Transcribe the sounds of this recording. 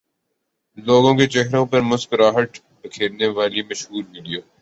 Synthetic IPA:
loːɡõket͡ʃɛɦɾõpɐmʊskɾaːɦəʈ | bɐkʰeːɾneʋaːlimɐʃɦuːɾmɪlijoː

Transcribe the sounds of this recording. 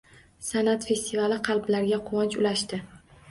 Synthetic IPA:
sanat̪fe̞st̪ʰivalɪqʰɑlˠblaɾɡʲaqʰʊwɒnt͡ʃʊlaʃt̪ɪ

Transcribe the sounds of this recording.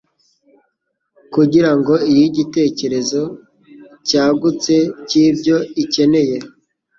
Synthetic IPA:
kuɟiɾaŋɡo̞ijiɟite̞ːce̞ɾe̞zo̞ | caːɡut͡se̞ciːbɟo̞ice̞ne̞je̞

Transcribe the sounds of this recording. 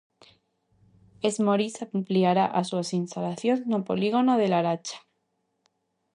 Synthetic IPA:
ezmoɾisampliaɾaʔaswasinst̪alaθjonnopoliɣonoðe̞laɾat͡ʃḁ

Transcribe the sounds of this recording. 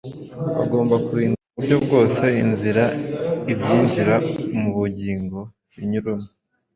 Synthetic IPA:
βa̰ɡo̞ːmbakuiːnduβubɟo̞b̚ɡo̞ːse̞inziɾaibjɟiːnziɾamuβuɟiːŋɡo̞ | iɲuɾuna

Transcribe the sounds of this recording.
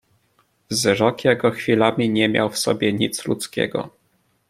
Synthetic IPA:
vzɾɔkjɛɡɔxfʲilamʲiɲɛmʲja̰wfsɔ̰bʲjɛɲit̪slṵt̪skʲɛ̰ɡɔ̰

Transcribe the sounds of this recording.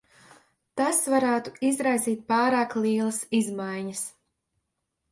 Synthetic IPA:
t̪asvaɾaːt̪uizɾajziːt̪̚pɑːɾaːklˠiːlˠɐsizmajɲəs

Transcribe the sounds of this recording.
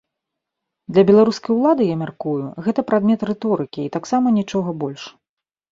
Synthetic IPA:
d̪lʲɐbʲɛlˠaɾuskɐjwlˠad̪ɨjamʲarkujuɣɛt̪ɐpɾad̪mʲɛt̪rɛt̪ɔɾɨkʲiːt̪aksamɐnʲit͡ʂɔɣɐbɔlʲʂ

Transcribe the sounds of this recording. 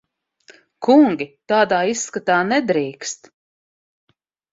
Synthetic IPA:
kuŋɡʲit̪aːd̪aːiskat̪aːnɛd̪ɾiːkst̪

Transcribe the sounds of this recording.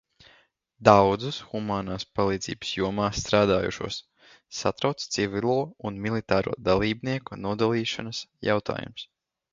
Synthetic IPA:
d̪awd̪zusxumaːnaːspalˠiːd̪z̥ḭːbə̥sjuɔmaːsːt̪ɾaːd̪aːjṵʃṵɔsː | at̪ɾawt̪st̪sivʲilˠuɔunmilˠit̪aːɾṵɔd̪alˠiːbniɛkunuɔd̪alˠiːʃanasja̰wt̪a̰ːjṵms

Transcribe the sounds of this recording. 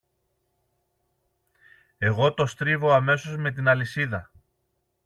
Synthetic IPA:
e̞ɣo̞t̪o̞st̪ɾivo̞ɐme̞so̞zme̞t̪̬inɐlisiðɐ

